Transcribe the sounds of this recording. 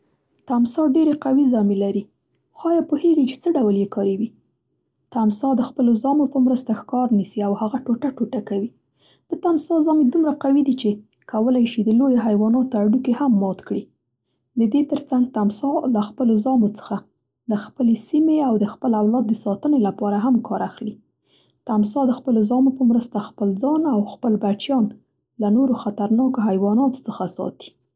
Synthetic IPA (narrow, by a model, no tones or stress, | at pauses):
t̪amsɑɖeɾeqawizɑmelaɾi | xɑjɑpoheɡit͡ʃe̥t͡səɖawljekɑɾewi | t̪amsɑd̪əxpəlozɑmopəmɾəst̪axkɑɾnisiawhaɣaʈoʈaʈoʈakawi | d̪̥ət̪amsɑzɑmed̪umɾaqawid̪it͡ʃe | kʰawəlajʃid̪əlojeɦajwɑnɑt̪oaɽukehamːɑt̪kɽi | d̪əd̪et̪əɾt͡saŋɡ̚t̪amsɑlaxpəlozɑmot͡sə̥xa | d̪əxpəlesimeawd̪əxpəlawlɑd̪̚ːəsɑt̪ənelapɑɾaɦamkʰɑɾaxli | t̪ams̬ɑd̪əxpəlozɑmopəmɾəst̪axpəlzɑnawxpəlbat͡ʃjɑn | lanoɾoxat̪aɾnɑkoɦajwɑnɑt̪o̥t͡səxasɑ̰t̪i̥